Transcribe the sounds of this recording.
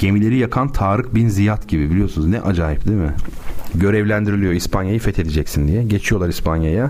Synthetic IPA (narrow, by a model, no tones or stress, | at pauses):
ɟ̥e̞milʲe̞ɾijakʰant̪ʰaːɾɯkbinzijat̪ɟibibilʲijo̞sunuznɛʔad͡ʒaːjip̚d̪imɪɟø̞ɾɛvlʲænd̪iɾilʲijo̞ispʰanjajɯfɛt̪ʰe̞d̪ed͡ʒɛcsind̪ijɛɟet͡ʃʰijo̞lˠaɾispʰanjaja